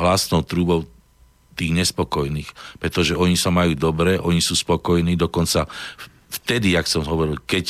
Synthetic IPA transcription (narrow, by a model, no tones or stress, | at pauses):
ɦlasnɔʊt̪ɾuːbɔʊ | t̪iːɣɲɛspɔkɔjniːxpɾɛt̪ɔʒɛɔɲisamajuːd̪ɔbɾɛʔɔɲisuːspɔkɔjniːd̪ɔkɔnt͡sa | ft̪ɛd̪iaksɛmɦɔʋɔɾilkɛc